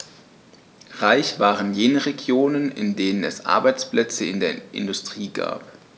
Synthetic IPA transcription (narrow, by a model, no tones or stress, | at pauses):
ʁaɪçv̥aːʁənjeːnəʁeɡjoːnənɪ̰ndeːnənɛ̰sʔa̰ɐbaɪt͡splɛt͡səɪndeːɐʔɪ̰ndʊstʁ̥iːɡa̰ːp